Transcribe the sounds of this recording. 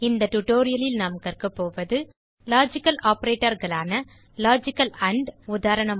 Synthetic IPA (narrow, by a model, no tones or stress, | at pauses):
ɪnd̪ɐʈʊʈoːɾɪjɐlɪlnamkɐrkɯpːoːʋɐðɯ | laːd͡ʒɪkːɐlaːpɐɾeːʈːɐɾɣɐɭaːnɐ | laːd͡ʒɪkːɐlɐɳɖʊðaːɾɐɳɐm